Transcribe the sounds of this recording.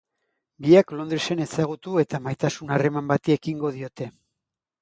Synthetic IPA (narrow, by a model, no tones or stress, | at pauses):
biaklo̞nd̪ɾese̞ne̞saɣ̞ut̪ue̞t̪amajt̪asunare̞mambat̪iekiŋɡo̞ðio̞t̪e̞